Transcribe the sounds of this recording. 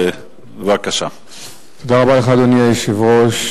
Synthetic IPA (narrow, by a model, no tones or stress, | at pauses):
vakaʃa | t̪od̪aʁabaleχad̪oniajeʃivʁoʃ